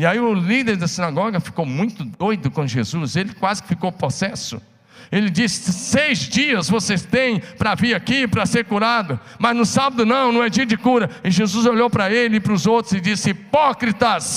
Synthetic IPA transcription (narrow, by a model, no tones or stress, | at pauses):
ɪaiʊlid̪eɾd̪ɐsĩnaɡɔɡɐfi̥kowmũj̃t̪ʊd̪ojd̪ʊkõʒḛzuselɪkwazɪ̥kɪ̥fikowpɾosɛsʊ̰ | elɪd͡ʒisɪ̥sejzd͡ʒiɐzvosest̪ẽj̃pɾɐviɾakipɾɐseɾkuɾad̪ʊ | mɐznʊsabɐd̪ʊnɐ̃w̃nɐ̃w̃ɛd͡ʒiɐd͡ʒɪkuɾɐɪʒezuzoʎowpɾɐelɪɪpɾʊzowt̪ɾʊzɪd͡ʒisɪipɔkɾit̪ɐs